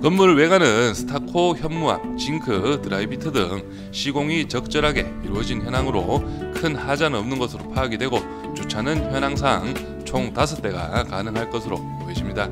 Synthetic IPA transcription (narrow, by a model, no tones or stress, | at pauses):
kʌmmːuɾwe̞ɡanɯnsʰɯ̥tʰakʰoçjʌmmua̰t͡ɕiŋkʰɯtɯɾaibitʰʌdɯ̰ŋ | ɕʰiɡoŋit͡ɕʌk̚t͡ɕ͈ʌɾɦaɡe̞̰iɾuʌd͡ʑinçjʌnaŋɯɾokʰɯnhad͡ʑanɯʌmnɯnɡʌsʰɯɾopʰaːɡidwe̞ɡo | t͡ɕot͡ɕʰanɯnçjʌnaŋs̬ʰaŋ | t͡ɕʰoŋtasʰɯt͈e̞ɡa̰kanɯŋɦaɭk͈ʌsʰɯɾo̰ | eɕʰimɲida